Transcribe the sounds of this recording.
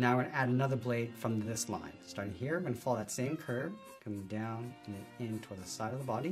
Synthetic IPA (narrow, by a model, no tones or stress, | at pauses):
naʊɡə̃næɾɨnʌðə˞bleɪd̥fɹʌ̃mðɪslã̰ɪ̃nstɑɹɾɪ̃ŋhiɹbɨ̃nfɔlˠðɨtsẽɪ̃mkʰɜ˞v̥ | kʰʌ̃mɪ̃ŋdãʊ̃nɨ̃nɨ̃ɪ̃ntʰɔɹðəsaɪɾʌvðəbɑɾi